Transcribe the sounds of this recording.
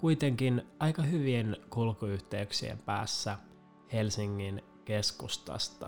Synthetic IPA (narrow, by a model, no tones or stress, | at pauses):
kujt̪e̞ŋk̟inɑjkɑɦyʋienkulkuyht̪eyksḭḛmpæ̰ːsːæ | he̞lsiŋːin | ke̞skust̪ɑ̰st̪ɑ